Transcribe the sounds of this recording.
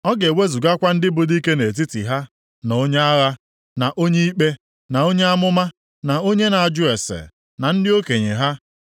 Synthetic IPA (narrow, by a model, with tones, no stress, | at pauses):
ɔ˦ɡe˨we˦zu˨ɡa˦kʷa˦n̩˦dɪ˦bʊ˨di˦ke˦ne˨t̬i˦tḭ˨ɦa˦ | no˦ɲe˦a˦ɣa˦ | na˨ʔo˦ɲe˦i˦k͡pe˦ | na˨o˦ɲe˦a˦mʊ˦ma˦ | na˨o˦ɲe˦na˨a˨d͡ʒʊ˦e˨sḛ˨ | na˨n̩˦dɪ˦o˦ke˨ɲḛ˨ɦa˦